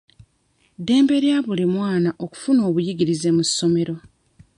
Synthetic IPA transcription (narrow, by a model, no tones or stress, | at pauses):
de̞ːmbe̞ɾjaβulimwaːnaʔo̞ku̥funo̞ːβujiɡiɾize̞musːo̞me̞ɾo̞